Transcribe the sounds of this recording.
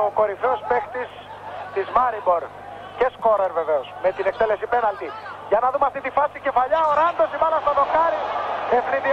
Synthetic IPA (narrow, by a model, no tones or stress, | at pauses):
oko̞ɾifɾeospekt̪is | t̪izmɐɾibo̞ɾ | ce̞sko̞ɾeɾve̞ve̞osmet̪inek̚t̪ele̞sipe̞nɐlt̪iʝɐnɐðumeɐft̪it̪ifɐsice̞fɐʎɐoɾɐnd̪osimɐlɐst̪onokɐɾieθniði